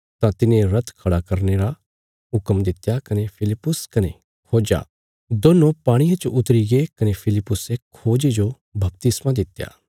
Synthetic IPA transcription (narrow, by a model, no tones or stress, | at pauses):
t̪ãt̪ɪnẽɾɐt̪ʰkʰɐɽakɐɾneɾa | ɦʊkəmd̪ɪt̪ːjakɐnepʰɪlɪpːʊskɐne | kʰoːd͡ʒa̰ː | d̪oːnõpaːɽ̃ijãt͡ʃʔʊt̪ɾiɡekɐnepʰɪlɪpːʊsekʰoːd͡ʒed͡ʒo | bɐp̚t̪ɪsmãd̪ɪt̪ːja̰ː